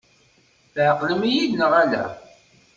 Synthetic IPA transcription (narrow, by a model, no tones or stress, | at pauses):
θʕəqləmijidnəʁælæ̰